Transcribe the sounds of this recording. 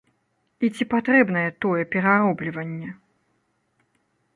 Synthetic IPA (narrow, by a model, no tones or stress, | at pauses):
it͡sʲipat̪ɾɛbnɐjɛt̪ɔjɛpʲɛɾaɾɔblʲivɐnʲːɛ